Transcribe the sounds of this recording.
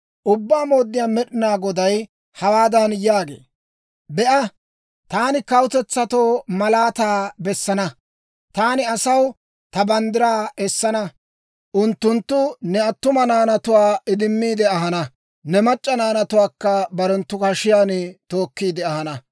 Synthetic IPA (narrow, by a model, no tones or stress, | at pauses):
ʔʊbːaːmo̞ːd̪ːɪjaːmɛɗɪnaːɡɔd̪ɐj | hɐwaːd̪ɐnjaːɡe̞̰ː | bɛʔɐ | t̪aːnɪkɐwʊt̪ɛt͡sːɐt̪oːmɐlaːt̪aːbɛsːɐnɐ | t̪aːnɪɐsɐw | t̪ɐbɐnd̪ɪɾaːɛsːɐnɐ | ʔʊnt̪ːʊnt̪ːʊnɛɐt̪ːʊmɐnaːnɐt̪ʊwaːɪd̪ɪmːiːd̪ɛɐɦɐnɐ | nɛmɐt͡ʃʼːɐnaːnɐt̪ʊwaːkːɐbɐɾɛnt̪ːʊkɐʃɪjaːnt̪o̞ːkːiːd̪ɛɐhɐnɐ